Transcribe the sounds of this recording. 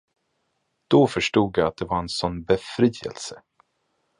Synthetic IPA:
d̪̥ɔfœʂʈuːɡjaat̪̚d̪ɛvaɾɛnsɔnːbɛfɾiːɛ̰lsə

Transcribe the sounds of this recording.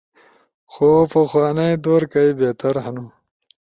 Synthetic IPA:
xoːpɐxwaːnajd̪oːɾkajbeːt̪ɐɾɦɐnu

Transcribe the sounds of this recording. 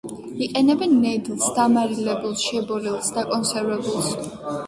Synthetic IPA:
iqʼɛnɛbɛnːɛd̪lˠsd̪amaɾilɛbulˠsʃɛbɔɾilˠsd̪akʼɔnsɛɾvɛbulˠs

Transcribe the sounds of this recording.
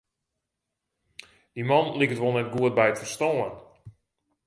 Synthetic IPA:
d̥imɑnlikətʋolˠnɛt̚ɡuət̚bɛjətfərstɔːən

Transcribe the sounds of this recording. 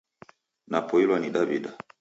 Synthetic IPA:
napɔilwaniɗavida

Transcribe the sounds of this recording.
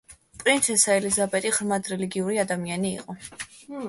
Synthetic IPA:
pʼɾint̪sʰɛsaɛlizabɛt̪ʼiʁɾmad̪ɾɛliɡiuɾiad̪amianḭːqʼɔ

